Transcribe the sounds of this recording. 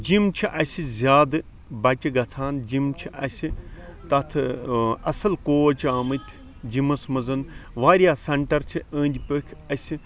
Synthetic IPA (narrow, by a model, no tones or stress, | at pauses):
d͡ʒimt͡ʃʰiʔɐsʲizʲjaːd̪ɨ | bɐʈʲiɡɐt͡sʰaːnd͡ʒimt͡ʃʰiʔɐsʲit̪ɐt̪ʰɨɐsɐlkoːt͡ʃaːmɨt̪ʲʰ | d͡ʒimɐsmɐzɐnʋaːɾʲjaːsɐɳʈɐɾt͡ʃʰiəːnʲd̪ʲipəkʰɐsʲi